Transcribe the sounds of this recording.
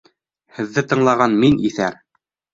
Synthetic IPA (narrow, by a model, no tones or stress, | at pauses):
hɘ̆ðːɘt̪ɤ̆ɴlˠɑʁɑnminiθæ̰ɾ